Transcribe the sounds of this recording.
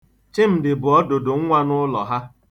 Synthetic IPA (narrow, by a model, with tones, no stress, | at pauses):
t͡ʃɪ˦m̩˨dɪ˨bʊ˨ɔ˦do˨dʊ˨ŋ̩˦ŋʷa˦nʊ˦lɔ˨ɦa˦